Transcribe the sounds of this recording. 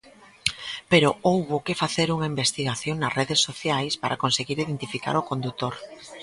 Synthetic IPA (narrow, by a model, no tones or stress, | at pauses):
peɾoowβokefaθeɾuŋaimbest̪iɣaθjoŋnɐsreðesːoθjajspaɾʔakonseɣiɾiðent̪ifika̰ɾokond̪ut̪oɾ